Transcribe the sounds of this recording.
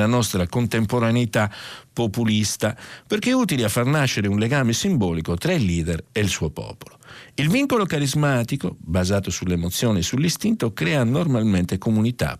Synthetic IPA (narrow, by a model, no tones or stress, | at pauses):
lanɔst̪ɾakont̪empoɾanit̪apːopulist̪apeɾk̟euːt̪iliafːarnaʃːeɾeunlɛɡaːmesimbɔːlikot̪ɾailːiːd̪ɛɾelsuopɔ̰ːpo̥loilviŋkolokaɾizmaːt̪ikobazaːt̪osulemot̪sːjɔːnisulːist̪int̪okɾɛːanormalmɛnt̪ekomunit̪a̰